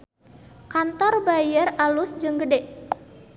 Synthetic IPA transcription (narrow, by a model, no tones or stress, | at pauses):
kant̪ɔrbajəralusd͡ʒɨŋɡədɛʔ